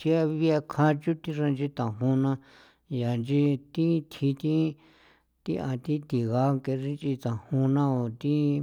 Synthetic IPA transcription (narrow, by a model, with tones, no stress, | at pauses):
t͡ʃi˧˦a˦˧βi˦a˧kʰã˧t͡ʃu˦t̪i˦ʐã˧nd͡ʒi˧t̪ã˨ɦũ˧nã˧ | ja˨nd͡ʒi˧t̪i˦t̪ʰi˧t̪ĩ˦ | t̪i˦ʔã˧t̪i˦t̪i˨ɣa˧˦ke˧ʐi˦nt͡ʃi˧t̪ã˨hũ˧nã˦o˨t̪i˦